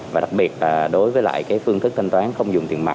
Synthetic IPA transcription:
vaː˨˩ɗa˨˩k̚ɓi˨˩ət̚laː˨˩ɗo˨˦jvəː˨˦jla̰ː˧˨jkaː˨˦jfɨ˧əŋt̪ʰɨ˦˥k̚t̪ʰa˧ŋt̪waː˨˦nxə˧wŋ͡mzʊ˨˩ŋ͡mt̪i˧˨ənma˨˩

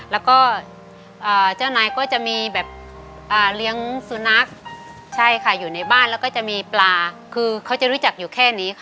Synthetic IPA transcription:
lɛː˦˥wkɔː˥˩ | ʔaː˨˩t͡ɕa˥˩wnaː˧jkɔː˥˩t͡ɕa˨˩miː˧bɛː˨˩p̚ | ʔaː˨˩li˦˥əŋsu˧na˦˥k̚ | t͡ɕʰa˥˩jkʰa˧˥˩juː˨˩na˧jbaː˥˩nlɛː˦˥wkɔː˥˩t͡ɕa˨˩miː˧plaː˧kʰɯː˧kʰa˦˥wt͡ɕa˨˩ɾu˦˥t͡ɕa˨˩k̚juː˨˩kʰɛː˥˩niː˦˥kʰa˥˩

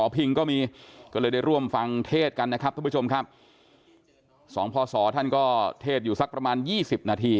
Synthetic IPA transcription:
ɔː˩˦pʰi˧ŋkɔː˥˩miː˧kɔː˥˩lɤː˧jda˥˩jɾu˥˩əmfa˧ŋt̪ʰeː˥˩t̪̚ka˧nːa˦˥kʰa˦˥p̪̚ʰaː˥˩u˥˩o˧mkʰa˦˥p̚ | sɔ̰ː˩˦ŋpʰɔː˧sɔː˩˦t̪ʰa˥˩nkɔː˥˩t̪ʰeː˥˩t̪̚juː˨˩sa˦˥k̚pɾa˧maː˧njiː˥˩si˨˩p̚naː˧t̪ʰiː˧

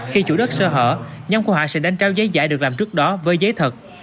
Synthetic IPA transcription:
xi˧t͡ɕṵ˧˩ɗə˦˥t̚səː˧ɦə̰ː˧˨ɲa˧mŋ͡mku˧˩əɦɔ̰˧˨sɛ̰˧˥ɗa˧jŋt͡ɕaː˨˦wzə˨˦jza̰ː˧˩˨jɗəklaː˨˩mt͡ɕɨ˦˥ək̚ɗɔ˨˦vəː˨˦jzəː˨˦jt̪ʰə˨˩t̚

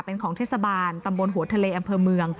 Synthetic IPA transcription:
pe˧nkʰɔː˩˦ŋt̪ʰeː˥˩t̚sa˧baː˧nt̪a˧mbo˧nɦu˨˩˦ɐt̪ʰa˧leː˧ʔa˧mpʰɤː˧mɯ˧əŋ

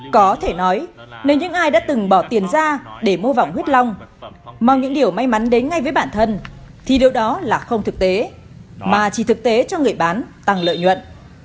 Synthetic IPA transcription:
kɔ˨˦t̪ʰe˧˩nɔ˨˦jne˨˦wɲɨ̰˧˥ŋʔaː˧jɗa̰ː˧˥t̪ɨ˨˩ŋɓɔ˧˩t̪i˨˩ənzaː˧ɗe˧˩mo˧va̰˧˨wŋ͡mhwi˦˥t̚la˧wŋ͡mma˧˩wɲɨ̰˧˥ŋɗi˨˩əwma˧jma˨˦nɗe˨˦nŋa˧jvəː˨˦jɓaː˧˩nt̪ʰə˧n | t̪ʰi˨˩ɗi˨˩əwɗɔ˨˦laː˨˩xə˧wŋ͡mt̪ʰɨ˨˩k̚t̪e˨˦ | maː˨˩t͡ɕi˧˩t̪ɨ˨˩k̚t̪e˨˦t͡ɕɔ˧ŋɨ˨˩əjɓaː˨˦nt̪a˨˩ŋlə̰ː˧˨jɲwə̰˧˨n

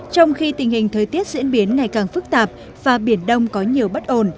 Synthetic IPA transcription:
t͡ɕɔ˧wŋ͡mxi˧t̪ï˨˩ŋ̟hï˨˩ŋ̟t̪ʰəː˨˩jt̪i˦˥ət̚zḭ˧˥ənɓi˨˦ənŋa˨˩jkaː˨˩ŋfɨ˦˥k̚t̪aː˨˩p̚ | vaː˨˩ɓi˧˩ənɗə˧wŋ͡mkɔ˨˦ɲi˨˩əwɓə˦˥t̚ʔo˧˨˩n

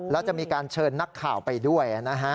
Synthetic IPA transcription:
lɛː˦˥wt͡ɕa˨˩ʔmiː˧kaː˧nt͡ɕʰɤː˧nːa˦˥kʰːaː˨˩wpa˧jdu˥˩əjʔa˨˩na˦˥ɦʰa˦˥

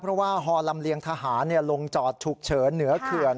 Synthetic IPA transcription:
pʰɾɔ˦˥waː˥˩ɦɔː˧la˧mli˧əŋt̪ʰaː˧ɦaː˩˦nːi˥˩əlo˧ŋt͡ɕɔː˨˩t̪̚t͡ɕʰu˨˩k̚t͡ɕʰɤː˩˦nːɯ˩˦ɐkʰɯ˨˩ən

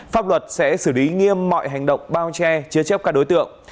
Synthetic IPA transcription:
faː˦˥p̚lwə˨˩t̚sɛ̰˧˥sɨ˧˩li˨˦ŋi˧əmːɔ̰˧˨jɦa˨˩jŋ̟ɗə̰˧˨wŋ͡mɓaː˧wt͡ɕɛ˧t͡ɕi˧˦ət͡ɕɛ˦˥p̚kaː˦˥k̚ɗo˨˦jt̪ɨ̰˧˨əŋ

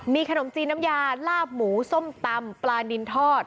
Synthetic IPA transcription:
miː˧kʰa˧no˩˦mt͡ɕiː˧nːa˦˥mjaː˧laː˥˩p̚muː˩˦so˥˩mt̪a˧mplaː˧ndi˧nt̪ʰɔː˥˩t̪̚

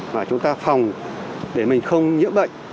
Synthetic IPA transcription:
maː˨˩t͡ɕʊ˨˦ŋ͡mt̪aː˧fa˨˩wŋ͡mɗe˧˩mï˨˩ŋ̟xə˧wŋ͡mɲɨ̰˧˥nɓə̰˧˨jŋ̟

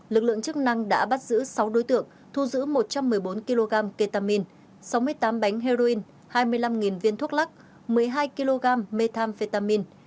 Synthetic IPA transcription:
lɨ˨˩k̚lɨ̰˧˨əŋt͡ɕɨ˦˥k̚na˧ŋɗa̰ː˧˥ɓa˦˥t̚zɨ̰˧˥sa˨˦wɗo˨˦jt̪ɨ̰˧˨əŋ | t̪ʰu˧zɨ̰˧˥mo˨˩t̚t͡ɕa˧mːɨ˨˩əjɓo˨˦nki˧lo˧ɣaː˧mke˧t̪aː˧mi˧n | sa˨˦wmɨ˧əjt̪aː˨˦mɓa˨˦jŋ̟ɦe˧zo˧i˧n | haː˧jmɨ˧əjla˧mŋi˨˩nvi˧nt̪ʰu˦˥k̚la˦˥k̚ | mɨ˨˩əjɦaː˧jki˧lo˧ɣaː˧mːe˧t̪ʰaː˧mfe˧t̪aː˧mi˧n

